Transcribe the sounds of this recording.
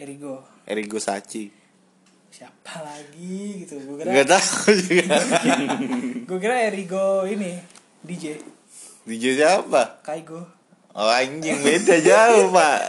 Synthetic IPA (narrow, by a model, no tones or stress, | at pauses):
eɾiɡo | ḛɾiɡosa̰t͡ʃi | siapalaɡiɡit̪uɡkiɡat̪aud͡ʒuɡa | ɡuokiɾaeɾiɡoini | did͡ʒe | did͡ʒesiapakaiɡo | oaɲd͡ʒɪŋmedad͡ʒaupa